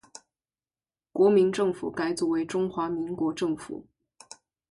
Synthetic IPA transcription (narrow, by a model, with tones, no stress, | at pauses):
kwɔ˧˥mi˧˥nʈ͡ʂɤ˥˩ŋfṵ˨˩ka˥ɪt͡swɔ˥˩we˧˥ɪʈ͡ʂʊ˥ŋxwa˧˥mi˧˥ŋkwɔ˧˥ʈ͡ʂɤ˥˩ŋfṵ˨˩˦